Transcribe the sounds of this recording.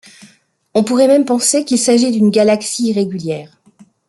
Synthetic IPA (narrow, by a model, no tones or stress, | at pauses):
ɔ̃puʁɛmɛmpɑ̃sekʲilsaʒid̪ynɡalaksiːʁeɡʲyljɛːʁ